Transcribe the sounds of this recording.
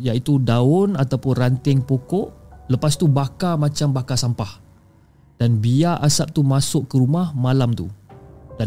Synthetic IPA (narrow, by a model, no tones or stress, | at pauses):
jait̪udaʊnat̪awpʊnrant̪ɪŋpokɔʔləpast̪ubakamat͡ʃambakasampah | d̥anbiaʔasap̚t̪umasʊʔkəɾumahmalamt̪uda